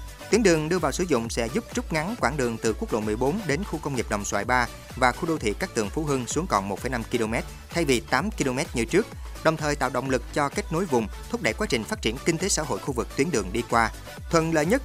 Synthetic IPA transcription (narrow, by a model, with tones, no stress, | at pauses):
t̪wi˨˦ŋnɗɨ˨˩əŋɗɨ˧əvaː˨˩wsɨ˧˩˦zʊ̰˧˨ŋ͡msɛ̰˧˥zʊ˦˥p̚t͡ɕʊ˦˥p̚ŋa˨˦ŋkwaː˧˩ŋɗɨ˨˩əŋt̪ɨ˨˩kwək̚ɗo̰˧˨˩mɨ˨˩əjɓo˨˦nɗe˨˦nxu˧kə˧wŋ͡mŋi˨˩əp̚ɗə̰˨˩wŋ͡mswa̰ː˧˨jɓaː˧ | vaː˨˩xu˧ɗo˧wt̪ʰḭ˧˨kaː˦˥k̚t̪ɨ̰˨˩əŋfu˨˦ɦɨ˧ŋsu˨˦əŋkɔ̰˨˩nmo˨˩fə˧˩jna˧mki˧lo˧mɛ˦˥t̚ | t̪ʰa˧jvi˨˩t̪aː˨˦mki˧lo˧mɛ˦˥t̚ɲi˧ət͡ɕɨ˦˥ək̚ | ɗə˨˩wŋ͡mt̪ʰəː˨˩jt̪a̰ː˧˨wɗə̰˧˨wŋ͡mlɨ˨˩k̚t͡ɕɔ˧ka˦˥k̚no˨˦jvʊ˨˩ŋ͡mt̪ʰʊ˦˥k͡p̚ɗə̰˧˩jkwaː˨˦˥t͡ɕï˨˩ŋ̟faː˦˥t̚t͡ɕi˧˩ənkï˧ŋ̟t̪e˨˦sa̰ː˧˥ɦo̰˧˨jxu˧vɨ˨˩k̚t̪wi˨˦ənɗɨ˨˩əŋɗi˧kwaː˧ | t̪ʰwə̰˧˨nlə̰ː˧˨ɲə˦˥t̚